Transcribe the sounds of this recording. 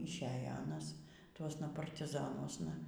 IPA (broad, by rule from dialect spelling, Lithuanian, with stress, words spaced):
ɪʃʲˈeːjɛ ˈɑːnɐs ˈtuɔsnɐ pɐrʲtʲɪˈzɑːnuɔsnɐ